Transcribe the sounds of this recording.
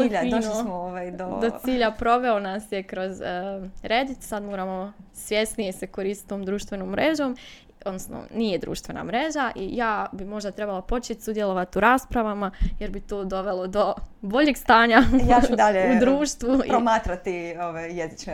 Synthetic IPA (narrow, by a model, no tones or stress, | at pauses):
iʎanomooʋajd̪od̪ot̪siːʎapɾo̞ʋe̞onasjekɾozəɾeːd̪it̪sad̪moːɾamo̞sʋje̞snijeseko̞ɾiːst̪t̪o̞ːmd̪ɾuːʃt̪ʋe̞noːmːɾʔeːʒo̞m | o̞d̪nosno̰nije̞d̪ɾṵːʃt̪ʋe̞na̰mɾe̞ʒaʔḭjaːbimo̞ʒd̪at̪ɾe̞balˠapo̞t͡ʃet̪ʲsud̪jelˠoʋat̪uɾaːspɾaʋamaje̞ɾbit̪oːd̪o̞ʋe̞lˠo̞d̪o̞bo̞ʎeɡst̪aːɲajad̪aʎeud̪ɾuːʃt̪ʋupɾomaːt̪ɾat̪ioʋajjezit͡ʃne